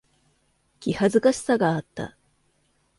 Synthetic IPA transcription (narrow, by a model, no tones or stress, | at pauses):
kʲihazɨkaɕi̥saɡaːt̪ːa̰